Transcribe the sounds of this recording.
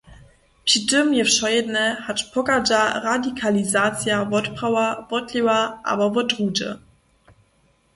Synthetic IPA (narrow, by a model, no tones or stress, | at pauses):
pɕitɪmjɛfʃɔjɛdnɛhatpʰɔkad͡ʒaʁadikʰalizaːt͡sjavɔtpʁawavɔtliwaʔa̰bavɔtʁuːdə̰